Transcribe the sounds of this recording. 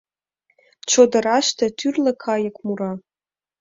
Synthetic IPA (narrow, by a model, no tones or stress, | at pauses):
t͡ʃʰod̪əɾɑʃt̪ʰɐt̪ʰyrləkʰɑjəkʼmuɾɑ